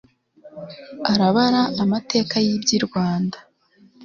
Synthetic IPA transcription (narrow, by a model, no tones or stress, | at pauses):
aɾaβaɾaʔːmate̞ːkajibɟiɾɡwaːndḁ